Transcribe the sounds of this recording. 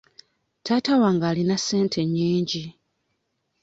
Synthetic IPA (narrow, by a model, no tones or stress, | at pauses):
tʰaːtawaːŋɡaːlinase̞ːntʰe̞ɲːiːɲɟi